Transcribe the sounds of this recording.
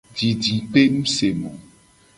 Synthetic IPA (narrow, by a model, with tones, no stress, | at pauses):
d͡ʒi˨d͡ʒĩ˨pe˦nũ˦se˨mɔ̃˨